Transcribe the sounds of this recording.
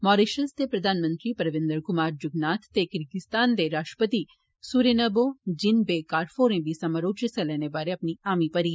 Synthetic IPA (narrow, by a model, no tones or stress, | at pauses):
mɔːɾeʃənst̪epɾɐd̪ʱaːnmə̃nt̪ɾipɐɾʋɪ̃nd̪əɾkʊmaːɾd͡ʒʊɡnaːt̪ʰt̪ekɪɾɡɪst̪aːnd̪eɾaːʃʈɾə̥pət̪i | suɾenɐbod͡ʒɪnbekaːɾfʰoːɾẽbʱisɐməɾoːt͡ʃəsɐlɛnebaːɾeɐpniaːmipɐɾi